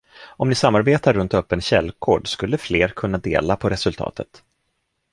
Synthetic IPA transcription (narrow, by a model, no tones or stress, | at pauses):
ɔmnɪsamːaɾbeːt̪aɾːɵnt̪œpːənɕɛ̰lːkʰoːɖskɵlːəfleːɾkʰɵnːad̪ḛːlapʰɔɾɛsɵlt̪ʰɑ̰ːt̪ʰət̪